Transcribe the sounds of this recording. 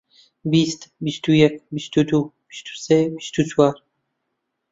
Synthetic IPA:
bist̪bist̪ʰujɛkbist̪ʰud̪ubist̪u̥sebist̪ʰut͡sʰwaɾ

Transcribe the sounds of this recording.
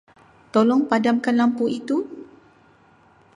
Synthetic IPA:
t̪ɔlɔŋpadamkanlampuit̪u

